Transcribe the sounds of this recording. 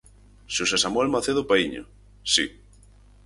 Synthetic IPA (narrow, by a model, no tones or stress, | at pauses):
ʃusesamwelmaθeðʊpaiɲo̰ | sḭ